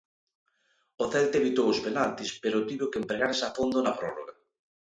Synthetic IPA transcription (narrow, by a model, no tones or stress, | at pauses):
oθɛlt̪eβit̪owʊspenalt̪ispeɾʊt̪iβokeempɾeɣaɾsafond̪ʊnɐpɾɔro̰ɣɐ